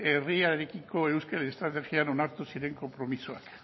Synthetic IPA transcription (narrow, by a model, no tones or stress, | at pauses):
eriaeɾekikoewskeleest̪ɾat̪exjanonaɾt̪usiɾe̞ŋko̞mpɾo̞misua̰k